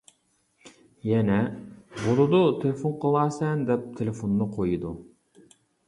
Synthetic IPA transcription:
jɛnɛbolˠɨd̪ut̪ʰelɪfonqʰəlˠɑːsɛnd̪ɛp̚t̪ʰelɪfonːɨqʰojɨd̪u

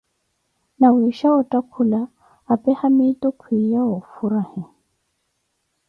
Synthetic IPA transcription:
nawiʃaɔtʼakʰulaː | pʼɛhamitʼʊkʰwijaɔfuɾahɛ

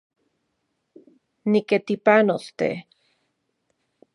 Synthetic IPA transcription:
niket̪ipanost̪ḛ

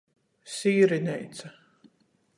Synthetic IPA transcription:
siːɾinʲɛjt̪sa

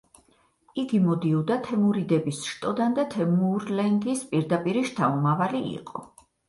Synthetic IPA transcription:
iɡimɔd̪iud̪at̪ʰɛmuɾid̪ɛbisʃt̪ʼɔd̪and̪at̪ʰɛmuɾlɛŋɡispʼiɾd̪apʼiɾiʃt̪ʰaumavaliḭqʼɔ

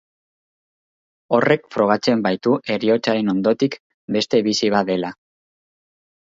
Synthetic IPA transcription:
o̞re̞kfɾo̞ɣ̞at͡se̞mbajt̪uʔe̞ɾio̞t͡saɾe̞no̞nd̪o̞t̪ik | be̞st̪e̞βisiβ̞ad̪e̞la

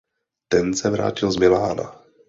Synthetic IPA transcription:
t̪ɛnsɛvɾa̰ːcɪlzmɪlaːna̰

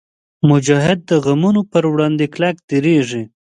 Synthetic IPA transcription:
mʊd͡ʒɑɦɪd̪̚ːəɣamunopəɾwɽɑnd̪eklakd̪eɾeʐi

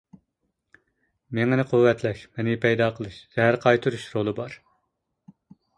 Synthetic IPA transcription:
meŋɪnɨqʰuwːɛt̪ʰlɛʃmɛnɪpʰɛjd̪ɑːqʰəlˠɨʃz̥ɛɦæɾqʰɑjt̪ʰɨɾuʃɾolˠɨbɑɾ

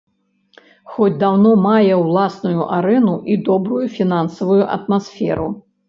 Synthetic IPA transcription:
xɔd͡zʲd̪awnɔmajɛwlˠasnujuʔaɾɛnuʔid̪ɔbɾujufʲinansɐvujuʔɐ̰t̪masfʲɛ̰ɾu

